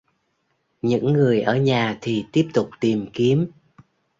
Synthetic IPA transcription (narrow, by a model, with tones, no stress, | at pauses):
ɲɨ̰˧˥ŋːɨ˨˩əjʔəː˧˩ɲaː˨˩t̪ʰi˨˩t̪i˦˥əp̚t̪ʊ˨˩k͡p̚t̪i˨˩mki˨˦əm